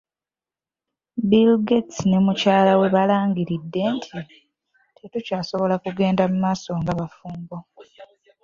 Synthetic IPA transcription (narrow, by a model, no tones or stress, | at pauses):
bilɡetsne̞mucaːlawe̞βalaːŋɡiɾidːe̞ntʰi | tʰe̞tucaːso̞βo̞lakuɡe̞ːndamumaːso̞ŋɡaβafuːmɡo